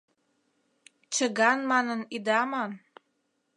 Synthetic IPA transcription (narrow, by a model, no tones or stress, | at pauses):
t͡ɕəɣɑnmɑnənid̪ɑmɑn